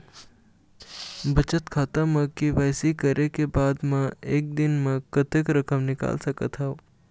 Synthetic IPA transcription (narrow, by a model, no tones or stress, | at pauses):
bɐt͡ʃət̪kʰaːt̪amɐ̃kiʋaːjsikəɾʔekebaːd̪mãeːk̚d̪ɪnmẽkət̪ekɾəkəmnɪka̰ːlsəkət̪ɦa